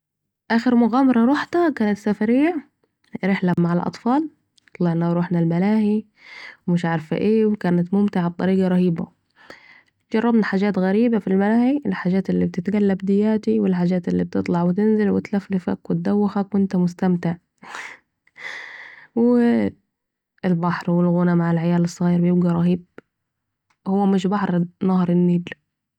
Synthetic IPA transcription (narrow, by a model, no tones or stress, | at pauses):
ʔaːxɪɾmʊɣaːmɑɾˤɑɾˤuħt̪akaːnat̪safaɾiːaʕ | ɾɪħlamaʕalʔɑ̰t̪ˤfɑːl | t̪ˤlɑʕnaɾˤuːħnalmalaːhi | mɪʃʕɑɾˤfaʔeːwkaːnat̪mʊmt̪ɪʕab̚t̪ˤɑɾiːɡɑɾˤɑhiːba̰ | t̪d͡ʒɑrˤːɑbnħaːd͡ʒaːt̪ɣaɾiːbafilmalaːħiʔɪlħaːd͡ʒaːt̪ɪlːib̚t̪ɪt̪ɡalːabd̪ɪjːaːt̪iwɪlħaːd͡ʒaːt̪ɪlːib̚t̪ɨt̪ˤlɑʕwɪt̪ɪnzɪlwɪt̪laflɪfa̰kwɪt̪̚d̪awːɪxakwʔɪnt̪amʊst̪amt̪ɪʕ | wɪ | ɪlbɑħɾwɪlɣʊnamaʕɪlʕajaːlɨsˤːɣiːɾbjɪbɡaɾˤɑɦiːb̚ | hʊwːamɪʃ̬bɑħɾnɑhɾˤɪnːiːl